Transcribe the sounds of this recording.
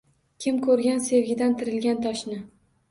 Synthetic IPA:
kʲʰɪmkʰɵɾɡʲanse̞vɡʲɪd̪ant̪ʰɪɾɪlɡʲant̪ʰɒʃnɪ

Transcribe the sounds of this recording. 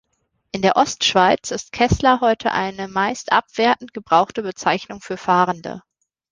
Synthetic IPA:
ʔɪndeːɐʔɔstʃv̥aɪt͡sɪst̚kʰɛslɐɦɔʏtʰə̰ʔa̰ɪnəmaɪstʔa̰pv̥eːɐtn̩t̚ɡ̥əbʁaʊχtəbət͡saɪçnʊŋfyːɐfaːʁəndə̰

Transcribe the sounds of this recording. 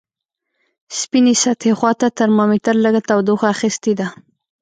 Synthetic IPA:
spinisat̪hexwɑt̪at̪aɾmɑmit̪əɾləɡat̪awd̪oxaxist̪id̪a

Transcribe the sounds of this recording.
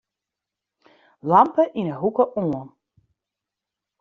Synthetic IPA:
lɑmpəʔinəɦukəʔoən

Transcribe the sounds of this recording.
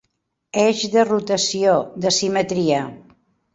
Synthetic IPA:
ɛʒðərut̪əsioðəsimət̪ɾiə

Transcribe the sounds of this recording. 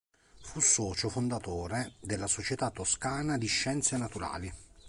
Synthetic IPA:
fusːɔːt͡ʃofond̪at̪oːɾed̪elːasot͡ʃet̪at̪ːoskaːnad̪iʃːɛnt̪senat̪uɾa̰ːli

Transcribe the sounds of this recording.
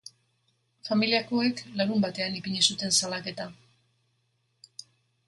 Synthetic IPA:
familiako̞e̞klaɾumbat̪e̞anipiɲisut̪e̞nsalake̞t̪a

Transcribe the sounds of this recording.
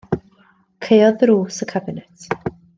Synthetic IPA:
kʰejɔðruːsəkʰabɪnɛtʰ

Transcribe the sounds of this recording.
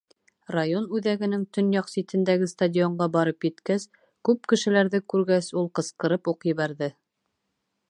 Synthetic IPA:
rajonʉðæɡɘ̆nɘŋt̪ɵ̆njɑqsit̪ɘ̆nd̪æɡɘst̪adʲioɴɢɑbɑɾɤpjɘ̆t̪kæs | kʉp̚kɘ̆ʃɘ̆læɾðɘkʉɾɡæsulˠqɤ̆sqɤ̆ɾɤpuqjɘ̆βæɾðɘ

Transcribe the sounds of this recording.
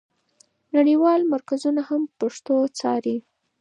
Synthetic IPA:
naɽiwɑlmaɾkazunahampaʂt̪ot͡sɑ̰ɾi

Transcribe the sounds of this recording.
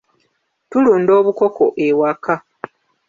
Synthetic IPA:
tuluːndo̞ːβuko̞kʰo̞ʔewaka

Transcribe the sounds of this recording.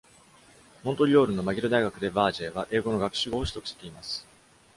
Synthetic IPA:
mõ̞nt̪o̞ɾʲio̞ːɾɯ̟nːo̞maɡʲiɾod̪aiɡakɯ̟d̪e̞baːʑeːβaʔe̞ːɡo̞no̞ɡakɯ̥ɕiɡo̞ːɕi̥t̪o̞kɯ̟ɕe̥t̪e̞imasɨ̥

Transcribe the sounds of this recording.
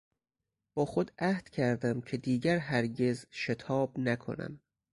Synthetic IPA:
b̥ɒːxo̞d̪æhd̪̥cʰæɾd̪æmcʰe̞d̪iːɟæɾɦæɾɟe̞zʃe̞t̪ʰɒːbnækʰo̞̰næ̰m

